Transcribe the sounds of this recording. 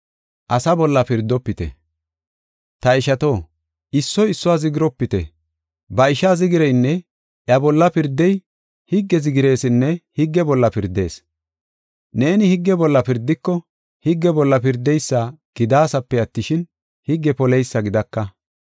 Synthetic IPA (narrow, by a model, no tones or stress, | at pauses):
ʔɐsɐbɔlːɐpɪɾd̪ːɔpːɪt̪ɛ̰ | t̪ɐɪʃɐt̪o̞ː | ʔɪsːɔɪsːɔwazɪɡɪɾɔpːɪt̪ɛ̰ | bɐɪʃazɪɡɪɾɛjnːɛ | ʔjɐbɔlːɐpɪɾd̪ːɛj | hɪɡːɛzɪɡɪɾe̞ːsɪnːɛhɪɡːɛbɔlːɐpɪɾd̪e̞ːs | ne̞ːnɪhɪɡːɛbɔlːɐpɪɾd̪ːɪkːɔ | hɪɡːɛbɔlːɐpɪɾd̪ɛjsːaɡ̥ɪd̪aːsɐpːɛɐt̪ːɪʃɪn | hɪɡːɛpɔlɛjsːɐɡɪd̪ɐkːɐ